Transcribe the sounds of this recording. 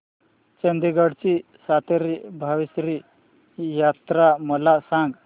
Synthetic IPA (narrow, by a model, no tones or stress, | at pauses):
t͡ɕənd̪iɡaɽt͡ɕi | sat̪eɾibʱaʋisɾi | jat̪ɾaməlasãŋɡ